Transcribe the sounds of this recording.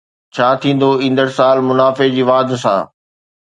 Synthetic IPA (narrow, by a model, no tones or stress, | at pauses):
t͡ɕʰaːt̪ʰĩːn̆d̪oĩːn̆d̪əɾsaːlmʊnaːfed͡ʑiːʋaːd̪sã̰ː